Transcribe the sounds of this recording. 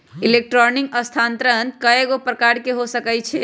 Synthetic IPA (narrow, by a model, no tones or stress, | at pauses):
ilek̚ʈɾɔnikəst̪ʰant̪ɾənkəeɡopɾəkaɾkeɦosəkɛjt͡ʃʰɛ